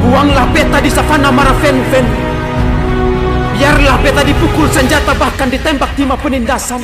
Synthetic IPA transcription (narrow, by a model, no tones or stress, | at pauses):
uaŋlahbɛt̪adisafanamaɾafɛnfɛn | biarlahbɛt̪adipukʊlsəɲd͡ʒat̪abahkandit̪ɛmbak̚t̪imapənindasan